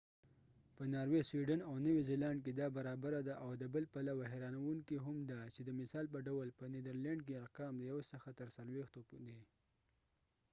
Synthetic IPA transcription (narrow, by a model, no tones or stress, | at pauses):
pənɑɾweswiɖanawnəwizelaɳɖ̚k̬ed̪ɑbaɾɑbaɾad̪aʔawd̪əbəlpalawaɦeɾɑnawuŋkiɦamd̪at͡ʃed̪əmɪsɑlp̬əɖawəlpəned̪əɾlaɳɖk̬eaqɑmd̪əjawsəxat̪əɾsalwext̪opd̪e